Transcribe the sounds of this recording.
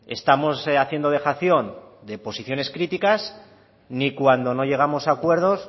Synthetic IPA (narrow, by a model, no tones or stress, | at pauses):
e̞̰st̪amo̞saθje̞nd̪oe̞xaθjo̞nd̪e̞po̞siθjo̞ne̞skɾit̪ikas | nikwand̪o̞no̞ʝe̞ɣ̞amo̞sakwe̞ɾð̞o̞s